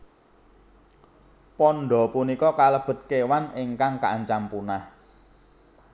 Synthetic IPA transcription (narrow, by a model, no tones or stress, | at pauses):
pɔnɖɔ̤punikɔkaləb̥ə̤t̪̚kewanɪŋkaŋka̰ʔɲt͡ʃampunah